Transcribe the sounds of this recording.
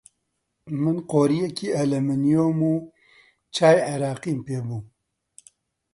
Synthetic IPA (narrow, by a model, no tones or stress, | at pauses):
mɨnqoːɾijɛkʰiːɐlɐmɪnijoːmuː | t͡ʃaːjʕeɾaːqiːmpeːbuː